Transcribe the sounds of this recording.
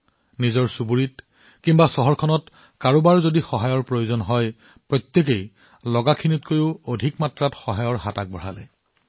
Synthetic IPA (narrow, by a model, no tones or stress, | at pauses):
nizɔɹsubuɹit̚ | kimbasɔɦɔɹkʰɔnɔt | kaɹubaɹzodixɔɦajɔɹpɹojuzɔnɦɔj | pɹɔt̪jek̬ej | lɔɡakʰinitkoɹiʊodʱikmatɹatxɔɦajɔɹɦatak̚bɔɹ̤a̰lɛ̰